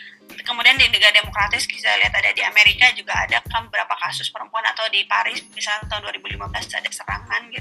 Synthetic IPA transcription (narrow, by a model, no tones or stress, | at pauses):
kəmudiandinəɡardemokɾat̪ɪskisaliat̪adadiameɾikad͡ʒuɡa̰ːdakanbəbəɾapakasʊspəɾəmpuana̰t̪awdipaɾɪsmisalt̪aɦʊnduaɾibulimabəlasa̰dasəɾa̰ŋanɡit̪